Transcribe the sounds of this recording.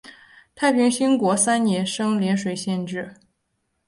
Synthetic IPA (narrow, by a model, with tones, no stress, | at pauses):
t̪ʰa˥˩ɪpʰi˧˥ŋɕi˥ŋkwɔ˧˥sa˥nnjɛ˧˥nʂɤ˥ŋljɛ˧˥nʂwe˨˩ɪɕjɛ˥˧nʈ͡ʂɻ̩˥˩